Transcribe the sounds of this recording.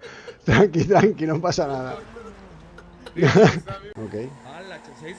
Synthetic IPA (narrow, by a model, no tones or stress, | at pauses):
t̪ɾaŋkit̪ɾaŋkinompasanaða | n | okej